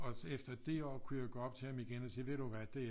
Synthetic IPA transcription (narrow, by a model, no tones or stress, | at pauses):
ɒ̽efd̥ɐd̥eɒ̰ːkʰujaɡ̥ɔːɒ̽b̥̚t͡sʰe̝æmiɡ̥enɒsḭːʋe̝ɾ̥uʋæd̥e̝